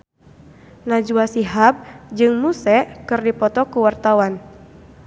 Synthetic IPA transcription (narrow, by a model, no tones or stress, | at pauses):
nad͡ʒuasiɦap̚d͡ʒɨŋmusɛkɨrdipɔt̪ɔkuwart̪awan